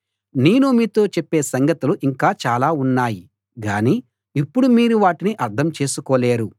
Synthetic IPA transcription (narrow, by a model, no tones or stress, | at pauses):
neːnumiːt̪o̞ːt͡ʃepːe̞ːsɐŋɡɐt̪uluʔiŋkaːt͡ʃaːlaːunːaːji | ɡaːni | ipːuɽumiːɾuʋaːʈiniʔɐɾt̪ʰɐmt͡ʃe̞ːsukoːleːɾu